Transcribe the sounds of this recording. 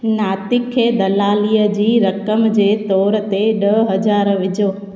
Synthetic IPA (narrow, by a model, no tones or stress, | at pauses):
naːt̪ɪkʰːeːd̪ɐlaːliːəd͡ʑiːɾɐkəmd͡ʑeːt̪ɔːɾt̪eɗəɦɐd͡ʑaːɾʋɪd͡ʑoː